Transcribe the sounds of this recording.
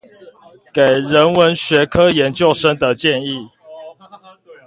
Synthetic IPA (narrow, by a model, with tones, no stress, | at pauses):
ke˨˩ɪɻə˨˦nwə˨˦nɕɥɛ˧˦kʰɤ˦jɛ˧˦nt͡ɕjo˥˨ʊʂə˦ŋd̪ə˨t͡ɕjɛ˥˨ni˥˨